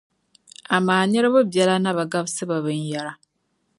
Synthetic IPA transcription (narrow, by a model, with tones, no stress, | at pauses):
a˨maː˨ɲe˦ɾe˦βo˦bja˨la˦na˦βa˨ɡa˦βsɨ˦βa˨βɨ˦ɲ˦ja˨ɾa˨